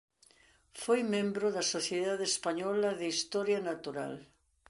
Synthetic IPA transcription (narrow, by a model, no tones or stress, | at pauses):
fojmẽmbɾoðɐsoθjeðaðeespaɲɔlɐðeist̪ɔɾjanat̪uɾa̰l